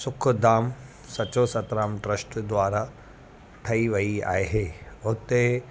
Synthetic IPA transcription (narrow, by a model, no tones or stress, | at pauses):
sʊkʰd̪aːm | sɐt͡ɕosɐt̪ɾaːmʈɾəsʈd̪ʋaːɾa | ʈʰɐiʋɐia̰ːeɦeːʊt̪e